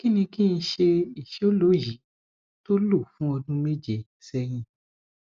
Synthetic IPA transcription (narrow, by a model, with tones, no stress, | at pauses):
ki˦nĩ˧ki˦˧ĩ˧ʃe˧i˨ʃe˨˦o˦lo˨˦ji˨˦ | to˦lo˦˨fũ˦ɔ˧dũ˦me˦d͡ʒe˨ | sɛ˧ɾ̃ĩ˧